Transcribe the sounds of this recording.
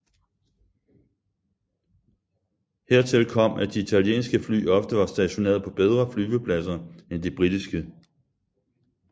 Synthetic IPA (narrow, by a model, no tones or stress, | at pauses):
heɐ̰t͡sʰe̝lkʰɒ̽m̰ʔæd̥iit͡sʰælje̝̰ːnsɡ̥əfly̰ːɒ̽fd̥əʋɑ̈sd̥æɕo̝ne̝̰ːɐð̞ˠpʰɒ̽b̥eð̞ˠʁɐflyːʋəpʰlæsɐend̥ib̥ʁid̥isɡ̥ə